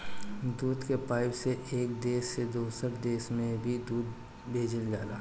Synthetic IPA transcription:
d̪uːd̪kepaːɪbseʔeːk̚d̪eːsːed̪oːsəɾd̪eːsmẽbʱid̪uːd̪̚ | bʱeːd͡ʒəlɡaːlaː

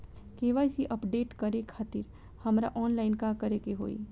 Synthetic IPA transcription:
keːʋaːjsiʔəpɖeːʈkɐɾekʰaːt̪ɪɾ | hɐmɾaʔɔːnlaːɪnkakɐɾekeɦo̰ːḭ

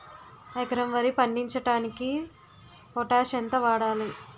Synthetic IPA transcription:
ekɾɐmʋɐɾipɐɳɖiɲt͡ʃɐʈaːniki | pɔʈaːʃɐnt̪ɐʋaːɽaːli

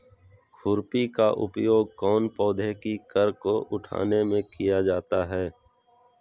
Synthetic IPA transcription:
kʰʊɾpikaʔʊ̰pjoːɡ̚kɔːnpɔːd̪ʱekikəɾkoʔʊʈʰa̰ːnemẽkijad͡ʒaːt̪aɦɛː

